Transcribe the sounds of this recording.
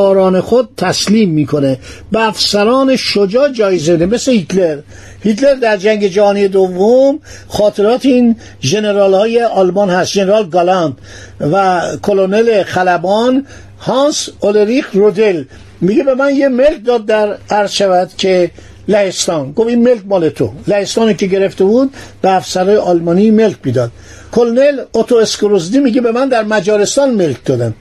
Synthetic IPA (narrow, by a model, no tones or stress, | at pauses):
ɾɒːne̞xod̪̚t̪ʰːæsliːmːiːkʰo̞ne | beæfsæɾɒːneʃod͡ʒɒːd͡ʒɒːjezemed̪emeslehit̪ʰleɾ | hit̪ʰle̞ɾd̪æɾd͡ʒæŋɟe̞d͡ʒæhɒːnijed̪ovːom | xɒːt̪ʰe̞ɾɒːt̪ʰiiːn | ʒe̞ne̞ɾɒːlhɒːjeʔɒːlmɒnhæst̪ʒeneɾɒːlɡɒlɒnt̪ | vækʰolonele̞xælæbɒn | hɒnsoleɾixɾod̪el | miɡebe̞mænjeme̞lk̚d̪ɒːd̪̚ːæɾæɾzʃævæd̪̥cʲʰe̞ | læhest̪ɒːnɡofinme̞lkmɒːlet̪ʰo̰læhest̪ɒːniːke̞ɟe̞ɾeft̪ebuːd̪̚beæfsæɾɒːjeʔɒːlmɒːnime̞lcmiːd̪ɒːd̪̥ | kʰolnelot̪ʰoeskoɾozd̪imiɟebe̞mænd̪æɾmæd͡ʒɒːɾe̞st̪ɒnme̞lk̚ʰd̪ɒːd̪æn